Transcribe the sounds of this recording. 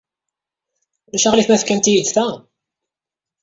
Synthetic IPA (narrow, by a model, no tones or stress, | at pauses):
læʃaʁliθmæθkænt̪ijid̪θæ